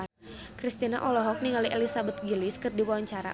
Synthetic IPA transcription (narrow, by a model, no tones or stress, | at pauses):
kɾist̪ina̰ʔɔlɔɦɔk̚niŋaliʔɛlisabət̪̚ɡiliskɨrdiwawaɲt͡ʃaɾa̰